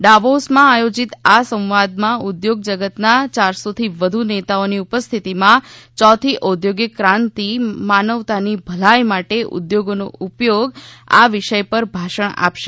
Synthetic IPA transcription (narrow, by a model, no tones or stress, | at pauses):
ɖaʋosmãajod͡ʒit̪asə̃wʋad̪mãud̪joɡ̚d͡ʒəɡət̪nat͡ʃaɾsot̪ʰiʋəd̪ʱunet̪aoniupəst̪ʰit̪imãt͡ʃɔt̪ʰiʔod̪joɡjəkɾãnt̪imanəʋt̪anibʱəlajmaʈeʔṵd̪joɡono̰upjoɡa̰ʋɪʃəjpəɾbʱaʃəɳa̰pʃe